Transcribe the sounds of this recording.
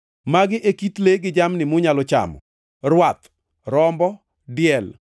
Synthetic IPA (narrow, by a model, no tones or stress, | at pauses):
maɡɪʔekit̪leɡɪd͡ʒamnɪmʊɲalɔt͡ʃa̰mɔ̰ | ɾwat̪ | ɾɔmbɔ | dɪjɛl